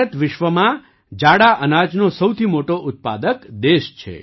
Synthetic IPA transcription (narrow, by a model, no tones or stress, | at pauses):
ət̪ʋɪʃʋəmã | d͡ʒaɽaʔənad͡ʒnosəwt̪ʰimoʈoʔʊt̪̚pa̰d̪əkd̪eʃt͡ʃʰḛ